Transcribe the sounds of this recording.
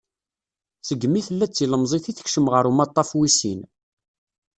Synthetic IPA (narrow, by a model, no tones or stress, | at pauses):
səɡːmiθəlːæt͡sːiləmzˤiθiθə̥çʃəmʁəɾumɑt̪ˤːɑfwisḭn